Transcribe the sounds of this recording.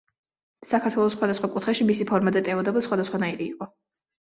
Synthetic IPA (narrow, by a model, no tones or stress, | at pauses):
sakʰaɾt̪ʰwɛlˠɔsχwad̪asχwakʼut̪χɛʃimisipʰɔɾmad̪ɛt̪ʼɛvɔd̪ɔbˠsχwad̪asχwanaiɾḭːqʼɔ